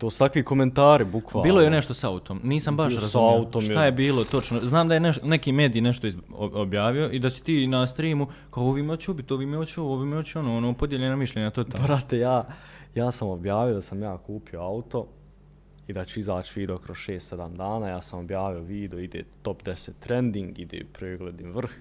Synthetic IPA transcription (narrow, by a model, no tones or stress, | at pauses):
t̪oːsu̥t̪akʋiko̞me̞nt̪aːɾibukʰʋabiːlo̞jene̞ʃt̪o̞saut̪ʰomniːsambaʃɾazuaut̪oʃajebiːlo̞t̪o̞t͡ʃnoznaːmd̪ajeneʃne̞kiːme̞ːd̪iːne̞ʃt̪oioobjaːʋio̞ʔid̪asi̥t̪iːnast̪ɾiːmukaooʋiːmot͡ʃeubit̪oʋiːmeot͡ɕooʋimeot͡ɕonoːonoːpod̪jeʎenamiʃʎʲeɲat̪o̞t̪aːlbɾat̪ejaː | jaːsamobjaːʋijo̞d̪asamjaːkuːpio̞aut̪o̞ | id̪at͡ɕuizaːt͡ʃiʋiːd̪eokɾoz̥ʃeːst̪sed̪amd̪aːnaːjaːsamobjaːʋioʋiːd̪eoid̪eːt̪o̞pd̪eset̪ːɾend̪iŋɡḭd̪ḛːpɾeːɡled̪inʋr̩x